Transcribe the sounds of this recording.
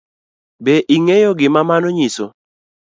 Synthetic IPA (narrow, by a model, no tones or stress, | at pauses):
beʔiŋejoɡɪmamanoɲiso